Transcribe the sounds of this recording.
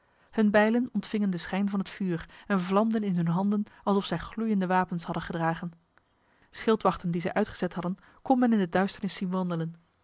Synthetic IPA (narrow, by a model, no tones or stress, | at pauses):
hɵnbɛjlənɔntfɪŋəndəsχɛjnvɑnətfyːrɛnvlɑmdənɪnɦɵnɦɑndənɑlˠsɔfsɛjχlujəndəʋaːpənshɑdəχədraːχən | sχɪlˠtʋɑχtəndizɛjʔœɥtχəz̥ɛtɦɑdən | kɔmɛnɪndədœɥstəɹnɪsinʋɑndələn